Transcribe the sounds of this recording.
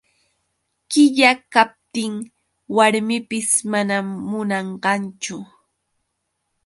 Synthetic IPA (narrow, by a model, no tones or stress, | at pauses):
kɪʎakap̚t̪ɪŋ | waɾmɪpɪsmanamːʊnɑɴɢɑnt͡ʃʊ